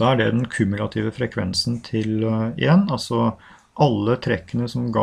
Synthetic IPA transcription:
d̥̪ɑːæɖɛd̪ɛnkʰʉmʉlɑt̪ʰiːʋəfɾɛkʰʋɛ̰nsənt̪ʰɪlɪ̰ɛnːɑlsɔ | ʔɑlːət̪ʰɾɛkːənəsɔmɡɑ

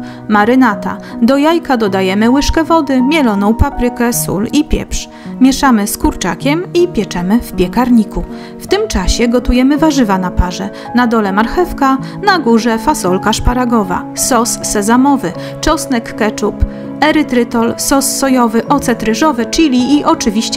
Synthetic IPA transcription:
maɾɘnat̪a̰d̪ɔjajkad̪ɔd̪ajɛmɘwɘʂkɛvɔd̪ɘmʲjɛlɔnɔ̃w̃papɾɘkɛsṵlipʲjɛ̰pʂ | mʲjɛʂamɘskuɾt͡ʂakʲɛmipʲjɛt͡ʂɛmɘfpʲjɛkaɾɲiku | ft̪ɘmt͡ʂaɕɛɡɔt̪ujɛmɘvaʐɘvanapaʐɛ | nad̪ɔlɛmaɾxɛfka | naɡuʐɛfasɔlkaʂpaɾaɡɔva̰ | sɔsːɛzamɔvɘ | t͡ʂɔsnɛkːɛt͡ʂup | ɛɾɘt̪ɾɘt̪ɔlsɔsːɔjɔvɘʔɔt̪sɛt̪ɾɘʐɔvɘt͡ʂilʲiːʔɔt͡ʂɘvʲiɕt͡ɕ

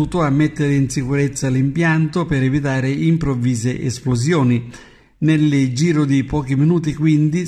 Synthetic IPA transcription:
uːt̪ʊamːet̪ːɪɾɪinsikuɾet̪sːalimpjant̪opeɾɛvit̪aːɾɪimpɾovːiːzeʔɛsploz̬jɔːni | neld͡ʒiːɾʊd̪ipɔːk̟iminuːt̪̬ikwind̪i

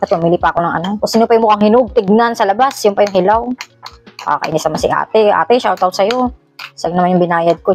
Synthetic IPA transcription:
ɐt̪mʊmiːlipɐɐkonɐŋʔɐ̰nakosɪnopɐjʊŋmokɐŋhɪnʊɡ̚t̪ɪɡ̚nansɐlɐbasjʊnpɐjʊŋhɪlaw | ʔa̰kɐ̰ʔinɪsɐmansɪʔa̰ːt̪ɛʔa̰ːt̪ɛʃawt̪awsɐjo | sɐɡ̚nɐmanjʊŋbɪnaːjɐd̪̚ko

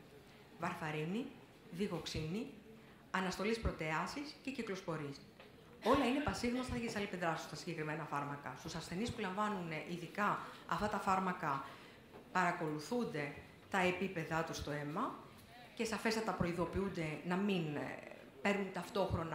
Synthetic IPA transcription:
vɐɾθɐɾini | ðiɣo̞ksini | ɐnɐst̪o̞lispɾo̞t̪e̞ɐsisce̞ciklo̞spo̞ɾis | o̞lɐinepɐsiɣnost̪ɐʝit̪isɐlipend̪ɾɐsust̪ɐsiɲɟe̞kɾime̞nɐfɐɾmɐkɐ̰st̪usɐsθe̞nispulɐɱvɐnuneʔiðikɐɐ̰ft̪ɐt̪ɐfɐɾmɐkɐ | pɐɾɐko̞luθund̪e̞ | t̪ɐe̞pipe̞ðɐt̪ust̪o̞e̞mɐ | ce̞sɐfe̞sɐt̪ɐpɾo̞iðo̞piund̪e̞nɐmin | pe̞ɾnunt̪ɐft̪o̞xɾo̞nɐ

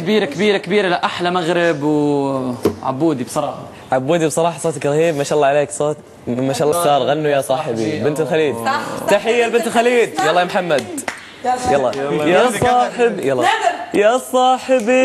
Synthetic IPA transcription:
kɪbiːɾakɪbiːɾakɪbiːɾalaʔaħlamaɣɾɪbw | ʕa̰bːuːd̪ibsˤɑɾˤɑːħɑ | ʕabːuːd̪ibsˤɑɾˤɑːħɑsˤoːt̪ɪkɾˤɑhiːbmaʃaːlːɑʕaleːksˤoːt̪ | maʃalˤːɑkt̪ɑːɾˤɣanːujasˤɑːħɪbibɪnt̪ɪlxaliːd̪t̪aħɪjːalbɪnt̪lxaliːd̪wɑlˤːɑːmħamːad̪ | jalːɑjasˤɑːħɪbjalːjasˤɑːħɪbi

